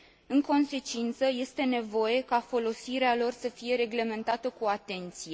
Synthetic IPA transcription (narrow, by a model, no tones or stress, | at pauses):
ɨŋko̞nse̞t͡ʃint̪səje̞st̪e̞ne̞vo̞je̞kafo̞lo̞siɾealo̞rsəfije̞ɾe̞ɡle̞me̞nt̪at̪əkuat̪e̞nt̪sije̞